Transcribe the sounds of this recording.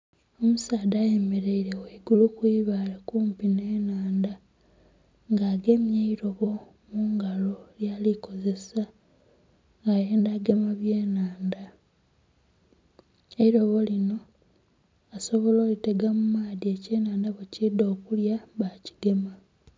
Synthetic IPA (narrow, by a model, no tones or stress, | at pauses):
o̞musaːdaːjeme̞ɾeiɾeweiɡulukuiβalekuːmpine̞ːnaːnda | ŋɡaːɡe̞mjaiɾo̞βo̞ | muːŋɡalo̞ljaːliko̞ze̞sa | ŋɡajeːndaɡemaβje̞ːnaːnda | e̞iɾo̞βo̞lino̞ | so̞βo̞lo̞ːlite̞ɡamumaːðie̞ceːnaːndaβucido̞ːkuljaβaci̥ɡe̞ma